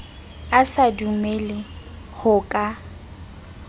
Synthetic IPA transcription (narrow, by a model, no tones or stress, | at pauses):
asadumelɪ | hʊkʼa